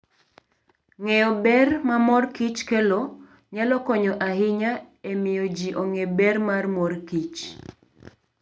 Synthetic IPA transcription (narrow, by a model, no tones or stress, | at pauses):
ŋɛɔbɛrmamɔrkit͡ʃkɛlo | ɲalɔkɔɲɔʔaɦɪɲaemɪjɔd͡ʒiʔoŋebɛrmarmɔrkit͡ʃ